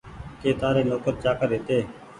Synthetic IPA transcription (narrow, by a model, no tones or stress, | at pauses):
keːt̪aːɾeːnoːkəɾt͡ʃaːkəɾeːt̪eː